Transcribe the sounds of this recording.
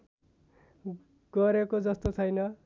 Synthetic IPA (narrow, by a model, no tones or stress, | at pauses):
ɡ̥ʌɾekod͡zʌst̪ot͡sʰʌjnʌ